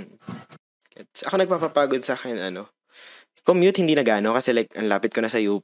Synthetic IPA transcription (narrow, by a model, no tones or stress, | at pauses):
ɛt̪sʔɐko̞nɐɡ̚paːpapaːɡod̪̚saːxɛnɐno̞ | komjut̪̚hɪnd̪iːnɐɡaːʔɐnokɐsɛlɐjɡʔɐnlaːpɪt̪̚konɐsɐjuːp̚